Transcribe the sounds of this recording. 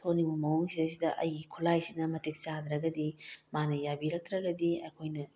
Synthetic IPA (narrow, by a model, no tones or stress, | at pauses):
tʰonibumɐwuŋsiɐsidɐʔɐ̰jɡikʰulajsinɐmɐtik̚t͡ʃad̪ɾɐɡɐdimanɐjabiɾɐk̚t̪ɾɐɡɐdiɐ̰jkʰojnɐ